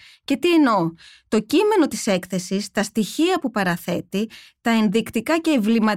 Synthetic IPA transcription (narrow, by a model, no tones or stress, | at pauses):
ce̞t̪ieno̞t̪o̞cime̞no̞t̪ise̞kθe̞sist̪ɐst̪içiɐpupɐɾɐθe̞t̪it̪ɐe̞nðikt̪ikɐce̞ːvlimɐ